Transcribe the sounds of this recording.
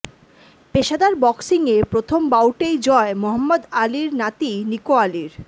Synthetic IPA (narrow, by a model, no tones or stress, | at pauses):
peʃad̪aɾbɔksiŋepɾot̪ʰombawʈejd͡ʑɔemoɦɐmːod̪aliɾnat̪inikoaliɾ